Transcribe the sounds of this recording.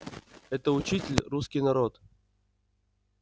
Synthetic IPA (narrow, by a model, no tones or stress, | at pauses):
ɛt̪əʊt͡ɕitʲɪlʲruskʲijnɐɾot̪